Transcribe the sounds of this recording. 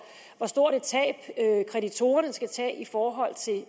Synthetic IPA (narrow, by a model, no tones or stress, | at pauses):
ʋɒsd̥o̝ɐ̰ɾ̥e̝t͡sʰɛ̰ːb̥kʰʁɛɾit͡sʰo̝ːɐnəsɡ̥æt͡sʰɛ̰ːifɒːɦɒ̽l̰t͡sʰe̝l